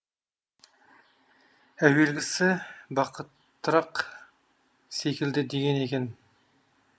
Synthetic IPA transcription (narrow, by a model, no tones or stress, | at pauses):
æwe̞lɡʲɪsɪbɑqət̪ːɾɑq | sekʲɪld̪ɪd̪e̞ɡʲene̞kʲen